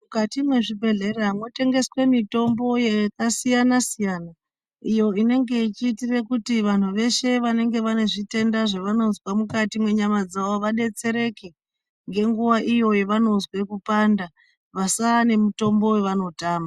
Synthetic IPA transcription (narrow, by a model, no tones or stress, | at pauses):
mukatimwe̞ʐibʱe̞ɮe̞reamo̞te̞ŋɡe̞swe̞mito̞mbo̞jekasijanasijaːna | ijo̞ine̞ŋɡe̞it͡ʃiːtire̞kutiʋan̤uʋe̞ʃe̞ʋane̞ŋɡe̞ʋane̞ʐite̞ndaʐeʋano̞zwamukatimwe̞ɲamad͡zaʋoʋaɗe̞t͡se̞ɾe̞ke | ŋɡe̞ŋɡuʋaʔijo̞jeʋano̞zwe̞kupanda | ʋasane̞muto̞mbo̞weʋano̞taːma